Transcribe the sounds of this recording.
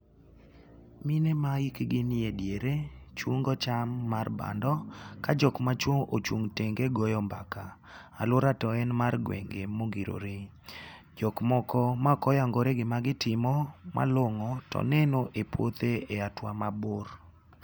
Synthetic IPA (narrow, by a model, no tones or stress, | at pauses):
minemaikɡɪnɪedjeɾet͡ʃwoŋɡɔt͡ʃamːarba̰ndɔkad͡ʒɔkmat͡ʃwoŋot͡ʃoŋteŋɡeɡɔjɔmbakaː | loɾatɔɛnmarɡwḛŋɡemoɡiɾo̰ɾe | d͡ʒɔkmɔkɔmakɔjaŋɡoɾeɡɪmaɡɪtɪmɔma̰loŋɔtɔ̰nɛnoʔepwot̪eeatwamabor